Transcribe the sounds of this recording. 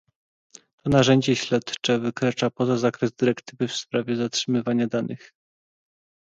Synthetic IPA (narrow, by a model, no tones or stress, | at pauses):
t̪ʰɔnaʐɛɲd͡ʑɛɕlɛt̪t͡ʂɛvɘkɾat͡ʂapɔzazakɾɛzd̪ɘɾɛkt̪ɘvɘfspɾavʲjɛzatʂɘmɘvaɲad̪anʔɘ̰x